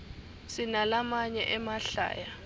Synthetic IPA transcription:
sinalamaɲɛʔɛmaɬa̰ːja

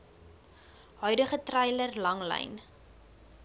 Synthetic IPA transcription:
ɦœɥdəχətrɐjlərlɐŋlɛ̰jn

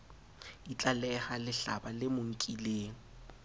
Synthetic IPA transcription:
it͡ɬʼalɛhalɪɬabalɪmʊŋ̩kʼileːŋ̩

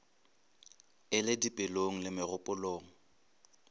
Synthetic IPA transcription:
ɪlɪdipʼɪloŋ̩lɪmɪrʊpʼʊloːŋ̩

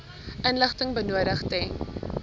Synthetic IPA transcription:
ʔənləχtəŋbənuəɾəχtɛŋ

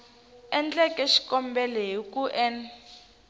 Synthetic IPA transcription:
ɛnt͡ɬɛkʼɛʃi̥kɔmbɛlɛɦikʼuʔɛn

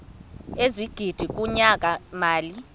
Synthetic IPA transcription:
eziɡ̥ʱid̥ʱik̬ʼuɲakʼamaːli

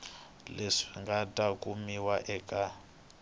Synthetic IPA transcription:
leʂiŋɡatʼakumiwaʔɛːkʼa

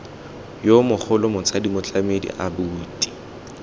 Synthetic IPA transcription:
jomʊk͡xʰʊlʊmʊt͡sʼadimʊt͡ɬʼamedḭʔabuːtʼi̥

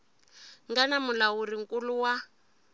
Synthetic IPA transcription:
ŋɡanamulawuriŋ̩kʼuluwa

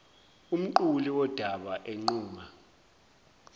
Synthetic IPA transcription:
um̩ǃuliwɔd̥ʱaɓaʔeŋ͡ǃuːŋa

